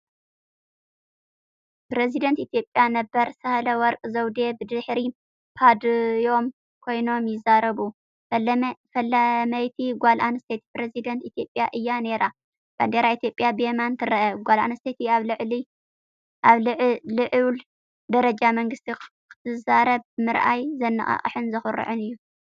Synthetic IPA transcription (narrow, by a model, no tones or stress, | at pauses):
pɾezid̪ɐnt̪it̪ijo̞pʼjanɐbɐɾsɐhlɐwɔɾkʼzɐwd̪ebɨd̪ɨħɾi | pʰad̪jo̞m | kʰo̞jno̞mjɪzːaɾɐβu | fɐlɐmɐjt̪ʰiɡʷalʔanɨst̪ʰet̪i̥pɾezid̪ɐnt̪it̪ʰjo̞pʼjaʔɨjːane̞ɾa | b̥a̰nd̪eɾait̪ijo̞pʼːjabemant̪ʰɨɾɐʔɐɡʷalʔa̰nɨst̪ʰet̪ʰiaβlɨʕli | ʔaβʕlɨʕl | d̪ɐɾɐd͡ʒamɐŋɡɨst̪ʰi | kʰɨ̥zɨzaɾɐβmɨɾʔa̰jzɐnːɐ̰χʼɐ̰χʼħɨnzɨxɨɾɨ̰ʕɨnɨjːu